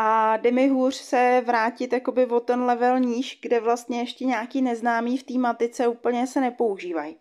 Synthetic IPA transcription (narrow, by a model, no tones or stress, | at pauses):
ʔadɛmɪɦuːr̝̥sɛvɾaːcɪt̪jako̞bɪvot̪ɛnlɛvɛlɲiːʃɡdɛvlast̪̚ɲɛjɛʃcɛɲaːkiːnɛznaːmiːft̪iːmat̪ɪt͡sɛuːpl̩ɲɛsɛnɛpo̞uʒiːvaj